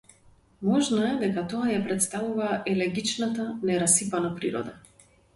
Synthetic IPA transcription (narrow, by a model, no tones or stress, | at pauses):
mɔʒnɔɛd̪ɛkat̪ɔajapɾɛt̪st̪avuvaʔɛlɛɾɡit͡ʃnat̪anɛɾasipanapɾiɾɔ̰d̪a